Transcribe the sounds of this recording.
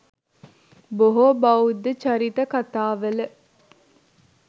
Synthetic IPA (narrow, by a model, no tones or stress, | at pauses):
boɦobɐud̪ːət͡ʃaɾit̪əkat̪aːʋələ